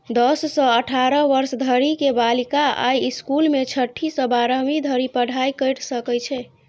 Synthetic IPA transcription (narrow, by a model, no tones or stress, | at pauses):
d̪əsːə̃əʈʰaɾəʋəɾsd̪ʱəɾikebalikaa̰jiskulmet͡ʃʰəʈʰːisə̃baɾəmid̪ʱəɾipəɽ̤ʱajkəjʈsəkɛjt͡ʃʰɛ